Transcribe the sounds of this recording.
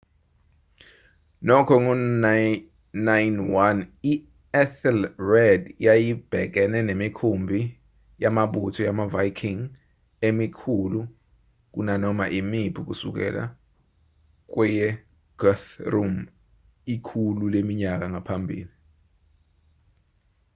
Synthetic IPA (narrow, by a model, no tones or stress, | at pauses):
nɔkʰɔŋɔ | najnwani | ɛθɛlrɛdjajib̥ʱɛk̬ɛnɛnemikʰumbʱi | jamaɓutʰɔjamavajkʰiŋ | emikʰulu | k̬ṵnanɔmaʔimibʰʱuk̬usṵk̬ɛ̰la̰ | k̬wɛjɛ | ɡ̥ɔθrum | ikʰululemiɲak̬aŋʱapʰambʱḭːli